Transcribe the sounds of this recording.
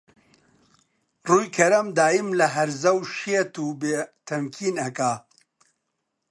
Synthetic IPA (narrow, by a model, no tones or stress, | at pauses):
ruːjkʰɐɾɐmd̪aːjimlɐɦɐɾzɐwʃeːt̪uːbeːt̪ʰɐmkʰiːnɐkaː